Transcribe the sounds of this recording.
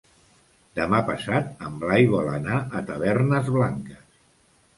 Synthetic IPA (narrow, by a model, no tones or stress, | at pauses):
d̪əmapəsat̪əmblajɣwalənaʔət̪əβɛrnəzβlaŋkəs